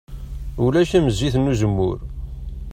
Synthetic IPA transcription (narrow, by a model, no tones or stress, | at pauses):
ulæʃæməzːiθənːuzəmːʊ̰ɾ